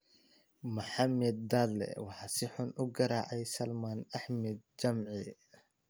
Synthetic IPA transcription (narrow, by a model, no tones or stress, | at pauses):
mʊħɑmɛd̪̚ːalːɛ̰wɑħɑsɪħʊnʔʊɡɐɾaːʕɛjsɐlmaːnɐħmɛd̪̚d͡ʒɐmʕi